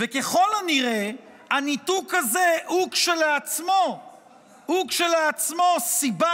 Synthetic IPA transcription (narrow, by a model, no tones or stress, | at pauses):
vekeχo̞laniʁe | anitukazehukʃelat͡smo̞ | hukʃelaat͡smo̞siba